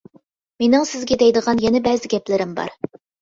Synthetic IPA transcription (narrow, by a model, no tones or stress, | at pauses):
menɪŋsɪzɡʲɛd̪ɛjd̪əʁɑnjɛnɛbɛzɪɡʲɛplɪɾɪmbɑ̰ɾ